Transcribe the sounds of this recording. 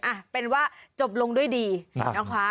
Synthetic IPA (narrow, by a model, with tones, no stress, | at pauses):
ʔa˨˩pe˧nwaː˥˩t͡ɕo˨˩p̬̚lo˧ŋdu˥˩əjdiː˧na˦˥kʰa˦˥